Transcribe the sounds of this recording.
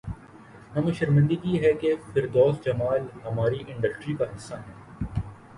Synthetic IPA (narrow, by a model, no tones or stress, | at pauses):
ɦɐmʃɐɾmɪ̃nd̪əɡiɦɛkefɪɾd̪ɔːsd͡ʒɐmaːlɦɐmaːɾiʔɪ̃ɳɖəsʈɾikaɦɪsːaɦɛ̃ː